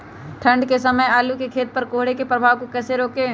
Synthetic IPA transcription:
ʈʰɐ̃ɳɖkesɐməjaːlukekʰeːt̪̚pɐɾkoːɦɽekepɾɐbʱaːʋkokɛːseɾoːkeː

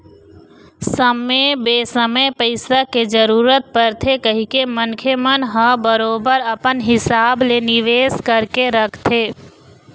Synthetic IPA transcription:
səmebeːsəməjpəɪsaked͡ʒəɾuːɾət̪̚pəɾt̪ʰekəɦikemənkʰemənɦəbəɾoːbəɾɐpənɦɪsaːblenɪʋeːskəɾkeɾɐkʰt̪ʰeː

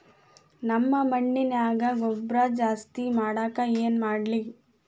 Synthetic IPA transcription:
nɐmːɐmɐɳːinaːɡɐɡɔbɾɐd͡ʒaːst̪imaːɽaːkɐeːnmaːɽli

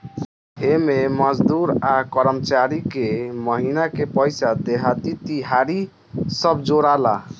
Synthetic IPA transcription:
ememəd͡ʒd̪uɾakəɾəmt͡ʃaɾikeməɦinakepəjsad̪eɦat̪it̪iɦaɾi | səbd͡ʒoɾala

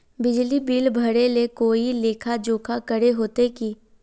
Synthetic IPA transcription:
bɪd͡ʒlibiːlbʱɐɽelekoːileːkʰad͡ʒoːkʰakəɽeɦoːt̪ekiː

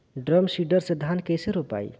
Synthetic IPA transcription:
ɖɾəmsiɖəɾsed̪ʱankejseɾupa̰j

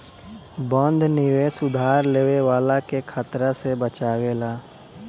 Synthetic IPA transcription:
bɔ̃ːnd̪ʱnɪwesʊd̪ʱaːɾleːwewaːlakekʰaːt̪ɾasebət͡ʃaːweːlaː

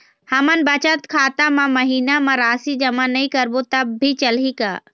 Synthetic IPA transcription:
hɐmənbət͡ʃət̪kʰaːt̪amãməɦiːnamãɾaːsid͡ʒɐmanɐĩkəɾbot̪ɐbːit͡ʃəlika̰ː

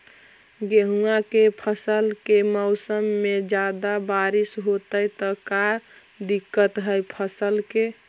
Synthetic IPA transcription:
ɡeɦuakepʰəsəlkemɔʊsəmːed͡ʒad̪abaɾisɦot̪əjt̪ɔkaɾ | d̪ikːət̪ɦəjpʰəsəlke

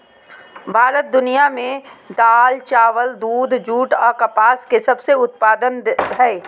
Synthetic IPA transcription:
bʱaːɾət̪̚d̪ʊnijamẽd̪aːlt͡ʃaːʋəld̪uːd̪ʱd͡ʒuːʈɔːɾkɐpaːskesɐbseʊt̪̚paːd̪ənɦɛː

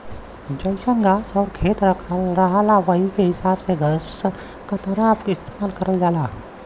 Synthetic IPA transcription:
d͡ʒəɪsəŋɡaːsɔːɾkʰeːt̪ɾəkʰəlɾɐɦalaʋəikeɦɪsaːbseɡəs | kat̪ɐɾaːpɪst̪eːmaːlkɐɾəld͡ʒaːlaː

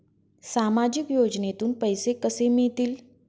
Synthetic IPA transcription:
samad͡ʑikjod͡ʑnet̪uːnpəjsekəsemiɭt̪iːl

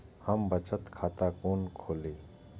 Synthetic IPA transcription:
həmbət͡ʃət̪kʰaːt̪akoːnkʰoːleː

